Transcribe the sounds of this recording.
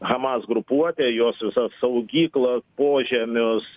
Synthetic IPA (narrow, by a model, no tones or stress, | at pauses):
ɣɐmɑsɡɾʊpuɔt̪ʲejoːsʋʲɪsɐssɐʊɡʲiːklˠɐspoːʒʲɛmʲʊs